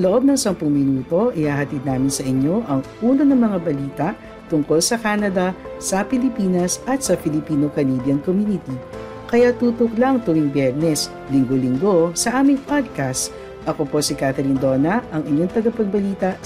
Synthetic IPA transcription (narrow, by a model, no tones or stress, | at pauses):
loʔo̞b̚nɐŋsɐmpʊŋmɪnuːt̪o̞ʔɪhaːɦɐt̪id̪naːmɪnsɐʔɪɲːo̞ʔɐŋʔuːnonɐŋmɐŋabɐliːt̪ɐʔ | t̪ʊŋko̞lsɐkaːnɐd̪ɐ | sɐpɪlɪpiːnɐsʔɐt̪sɐpɪlɪpiːno̞kɐnibjɐnkomjunɪt̪i | kɐjat̪uːt̪oklɐŋt̪ʊwiŋbjɛɾnɛs | lɪŋɡolɪŋɡo̞sɐʔaːmɪŋpad̪̚kast̪ | ʔɐko̞po̞sɪkaːt̪ɛɾind̪o̞ːnɐʔɐŋʔɪɲoŋt̪ɐɡɐpɐɡ̚bɐliːt̪ɐ